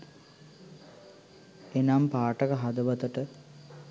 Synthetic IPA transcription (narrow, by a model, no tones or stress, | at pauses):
enampaːʈəkəɦad̪əʋɐt̪əʈə